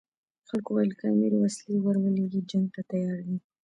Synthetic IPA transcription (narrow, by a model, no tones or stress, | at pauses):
xalkowajəlkameɾewaslewaɾwəleɡid͡ʒaŋɡ̚t̪at̪ajɑɾd̪i